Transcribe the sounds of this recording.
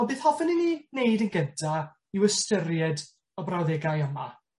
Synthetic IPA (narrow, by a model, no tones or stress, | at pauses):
ɔnbeːθhɔvənininejdənɡəntʰa | iwɪstərjɛd | ɔbrawðɛɡajɔma